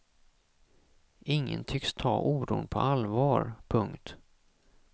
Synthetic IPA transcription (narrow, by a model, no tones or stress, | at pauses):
ɪŋːə̰nt̪ʰʏkst̪ʰɑːʔuːɾuːnpʰɔʔalvɑːɾpʰɵŋkt̪